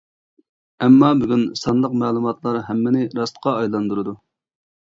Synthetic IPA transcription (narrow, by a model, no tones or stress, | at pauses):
ɛmːɑbyɡʲynsɑnlˠəqmɛːlˠumɑt̪lˠɑɾɦɛmːɪnɪɾɑst̪qʰɑɑjlˠɑnd̪uɾɨd̪u